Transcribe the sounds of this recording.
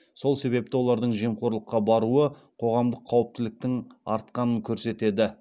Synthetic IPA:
so̞lˠse̞βe̞p̚t̪ɪwo̞lˠɑɾd̪əɴʒe̞mqʰo̞ɾlˠəqːɑbɑɾuə | qʰo̞ʁɑmd̪əqʰːɑwəp̚t̪ɪlɪk̚t̪ɪŋɑ̰ɾt̪̚qɑnəŋkʲʰɵɾse̞t̪e̞d̪ɪ

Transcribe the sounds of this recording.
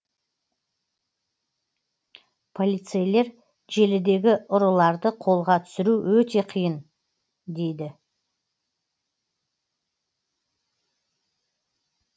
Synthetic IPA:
pʰo̞lʲijt̪sejle̞ɾ | ʒe̞lɪd̪e̞ɡʲɪʊɾəlˠɑɾd̪əqʰo̞lˠʁɑt̪ʰʏ̥sɪɾuwɵt̪e̞qʰijən | d̪e̞jd̪ɪ

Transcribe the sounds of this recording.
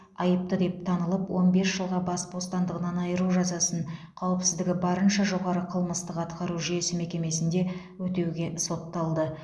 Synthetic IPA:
ɑjəp̚t̪əd̪e̞p̚t̪ʰɑnəlˠəpwo̞nbe̞sʒəlˠʁɑbɑsbo̞st̪ɑnd̪əʁənɑnɑjəɾuʒɑzɑsəɴ | qʰɑwəpsɪzd̪ɪɡʲɪbɑɾənʃɑʒo̞ʁɑɾəqʰəlˠməst̪əqɑt̪qɑɾuʒije̞sɪme̞kʲe̞me̞sɪnd̪e̞ | wɵt̪e̞wɡʲe̞so̞t̪ːɑlˠd̪ə

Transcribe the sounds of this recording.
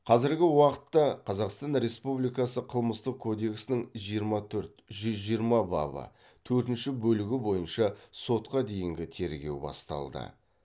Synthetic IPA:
qʰɑzɪɾɡʲɪwɑqət̪ːɑqʰɑzɑqst̪ɑnɾe̞spublijkɑsəqʰəlˠməst̪əq̚kʰːo̞d̪e̞ksɪnɪŋʒijəɾmɑt̪ʰɵɾt̪ʒʏzʒijəɾmɑbɑ̰bə̰ | t̪ʰɵɾt̪ɪnʃɪbɵlɪɡʲɪbo̞jənʃɑso̞t̪qɑd̪e̞jɪŋɡʲɪt̪ʰe̞ɾɡʲe̞̰wbɑ̰st̪ɑ̰lˠd̪ə̰

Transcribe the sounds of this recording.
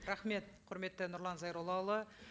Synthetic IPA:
ɾaχme̞t̪̚qʰʊɾme̞t̪ːɪnʊɾlˠɑnzɑjɾolˠɑwlˠə

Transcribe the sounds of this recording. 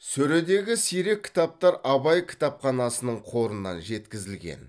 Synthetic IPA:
sɵɾe̞d̪e̞ɡʲɪsijɾe̞kʲʰːɪ̥t̪ɑp̚t̪ɑɾɑbɑjkʲʰɪ̥t̪ɑpχɑnɑsənəɴqʰo̞ɾənːɑ̰nʒe̞t̪kʲɪzɪlɡʲḛn

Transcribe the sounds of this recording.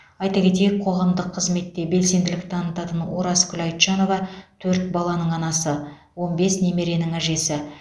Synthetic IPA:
ɑjt̪ɑkʲe̞t̪e̞jɪk̚qʰo̞ʁɑmd̪əqʰːəzme̞t̪ːe̞be̞lse̞nd̪ɪlɪk̚t̪ʰɑnət̪ɑt̪ənwoɾɑskʰʲʏlɑjt̪ʃɑno̞vɑt̪ʰɵɾt̪̚bɑlˠɑnəɴɑnɑsə | wo̞nbe̞sne̞me̞ɾe̞nɪŋæʒe̞sɪ

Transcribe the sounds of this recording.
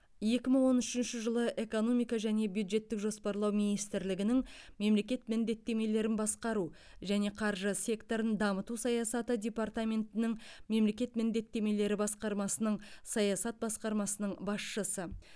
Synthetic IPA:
je̞kʲɪməŋwo̞nʏʃɪnʃɪʒəlˠəʔe̞ko̞no̞mijkɑʒæne̞bjud̪ʒe̞t̪ːɪkʒo̞spɑɾlˠɑwminijst̪ɪɾlɪɡʲɪnɪŋme̞mle̞kʲe̞t̪̚mɪnd̪e̞t̪ːe̞me̞le̞ɾɪnbɑsqɑɾu | ʒæne̞qʰɑɾʒəsʲe̞kt̪o̞ɾənd̪ɑmət̪usɑjɑsɑt̪əd̪ʲe̞part̪amʲe̞nt̪ɪnɪŋme̞mle̞kʲe̞t̪mɪnd̪e̞t̪ːe̞me̞le̞ɾɪbɑsqɑɾmɑsənəɴsɑjɑsɑt̪̚bɑsqɑɾmɑsənəɴbɑsʃəsə

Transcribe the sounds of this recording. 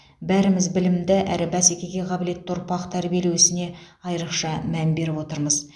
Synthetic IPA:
bæɾɪmɪzbɪlɪmd̪ɪʔæɾɪbæsekʲe̞ɡʲe̞qʰɑbɪle̞t̪ːʊɾpɑqt̪ʰæɾbielewɪsɪne̞ | ɑjɾəqʃɑmænbe̞ɾɪpwo̞t̪əɾməz

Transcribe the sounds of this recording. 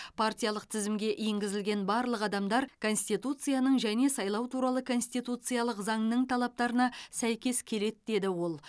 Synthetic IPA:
pʰartʲijɑlˠəq̚t̪ʰɪzɪmɡʲe̞ʔjeŋɡʲɪzɪlɡʲe̞nbɑɾlˠəqɑd̪ɑmd̪ɑɾkʰo̞nsʲt̪it̪ut̪sɨjanəɴʒæne̞sɑjlˠɑwt̪ʰuɾɑlˠəkʰo̞nsʲt̪ijt̪ut̪sɨjalˠəqzɑɴnəɴt̪ʰɑlˠɑp̚t̪ɑɾənɑsæjkʲe̞skʲʰe̞le̞t̪d̪e̞d̪ɪwo̞lˠ

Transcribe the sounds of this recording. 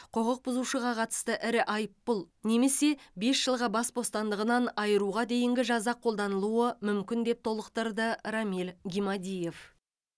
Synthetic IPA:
qʰoʁəq̚bʊzuʃəʁɑqʰɑt̪ə̥st̪əʔɪɾɪʔɑjəpːʊlˠ | ne̞me̞se̞be̞sʒ̥əlˠʁɑbɑsbo̞st̪ɑnd̪əʁənɑnɑjəɾuʁɑd̪e̞jɪŋɡʲɪʒɑzɑqʰo̞lˠd̪ɑnəlˠuəmʏmkʲɪnd̪e̞p̚t̪ʰo̞lˠəqt̪ɑɾd̪əɾɑmilɡʲimɑd̪ʲije̞f

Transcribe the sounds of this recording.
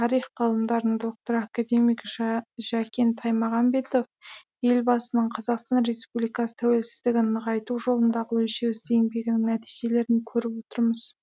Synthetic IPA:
t̪ʰɑɾijχqʰɑlˠəmd̪ɑɾəɴd̪o̞k̚t̪o̞ɾakad̪e̞mijkʒ̥ækʲe̞nt̪ʰɑjmɑʁɑmbe̞t̪o̞f | je̞lbɑsənəɴqʰɑzɑqst̪ɑnɾe̞spublijkɑsə̥t̪ʰæwe̞lsɪ̥zd̪ɪɡʲɪnnəʁɑjt̪uʒo̞lˠənd̪ɑʁəwɵlʃe̞wɪzd̪ejɪŋbe̞ɡʲɪnɪŋnæt̪ijʒe̞le̞ɾɪŋkʲʰɵɾɪpwo̞t̪əɾməz̥

